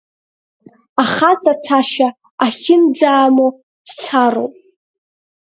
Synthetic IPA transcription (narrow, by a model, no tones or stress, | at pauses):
aχat͡sʼat͡sʰaʃa | aχʲɪnd͡zaːmo | d̥t͡sʰaɾo̰wpʼ